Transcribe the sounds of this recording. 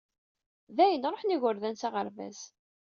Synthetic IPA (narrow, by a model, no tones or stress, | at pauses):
ðæjənɾˤoħniʝʊɾðænsaʁəɾvæ̰z